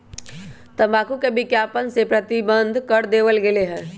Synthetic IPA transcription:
t̪əbaːkukebɪkjapənsepɾət̪ibənd̪ʱkəɾd̪eʋəlɡeleɦɛ̃ː

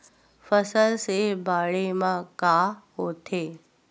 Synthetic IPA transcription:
fəsəlsebaːɭemãkaːɦoːt̪ʰeː

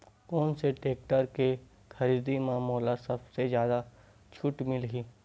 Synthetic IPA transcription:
kɔːnseʈeːk̚ʈəɾke | xɐɾiːd̪imãːmɔːlasɐbsezjaːd̪a | t͡ʃʰʊʈmɪlɡiː

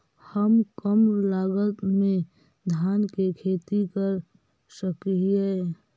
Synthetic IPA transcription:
həmkəmlaːɡət̪mẽ | d̪ʱjaːnkekʰeːt̪ikəɾ | səkɦiɛ

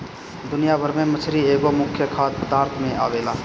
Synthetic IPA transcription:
d̪ʊnɪjabʱəɾmẽmət͡ʃʰɾieːɡomʊkʰːjəkʰaːt̪̚pəd̪aːɾt̪ʰmẽa̰ːʋeːlaː

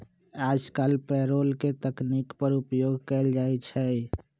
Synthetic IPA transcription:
ad͡ʒkalpɛɾolket̪əknikpəɾupjoɡʱkɛld͡ʒajt͡ʃʰɛ

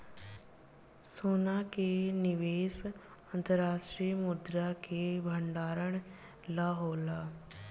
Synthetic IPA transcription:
soːnaːkenɪʋeːs | ənt̪əɾaːʃʈɾiːmʊd̪ɾaːkeːbʱəɳɖaːɾəɳ̃ | laːɦoːlaː

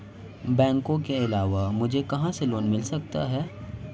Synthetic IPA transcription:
bɛ̃ːŋkõkeɪlaːʋamʊd͡ʒʱekɐɦãseloːnmɪlsɐkt̪a̰ɦɛː

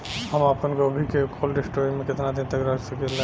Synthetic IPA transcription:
ɦəmapənkobʱikekʰoːlɖɪsʈoimẽkɪt̪nad̪ẽt̪ɐkɾəsəkel

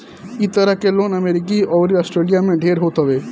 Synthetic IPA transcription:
iːt̪ɐɾɐkːeloːnɐmeɾikiɔːʋɾiɐsʈɾeːlijameɖʱeːɾɦoːt̪ɐʋe

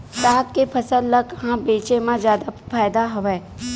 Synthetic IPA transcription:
t̪aːkkepʰəsəlləkɦãbeːt͡ʃemãd͡ʒjaːd̪apʰaːjd̪aɦɔʋeː

